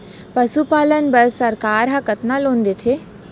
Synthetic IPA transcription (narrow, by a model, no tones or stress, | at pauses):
pɐʃupaːlənbɐɾsɐɾkaːɾɦakət̪nalõːnd̪et̪ʰeː